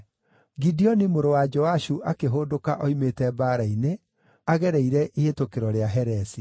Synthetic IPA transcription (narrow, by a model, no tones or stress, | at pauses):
ɡidiɔnimoɾowad͡ʒɔaʃuʔakeɦoːdokaʔɔimetɛbaɾaine | aɣɛɾɛiɾɛʔietokeɾɔɾeaɦɛɾɛsi